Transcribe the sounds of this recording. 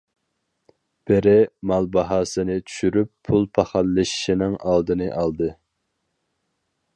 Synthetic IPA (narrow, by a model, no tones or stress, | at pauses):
b̥ɪɾɪmɑlˠbɑɦɑːsɨnɨt͡ʃʰy̥ʃyɾypʰːulˠpʰɑχɑlːɨʃi̥ʃinɪŋɑlˠd̪ɨnɨʔɑlˠd̪ɨ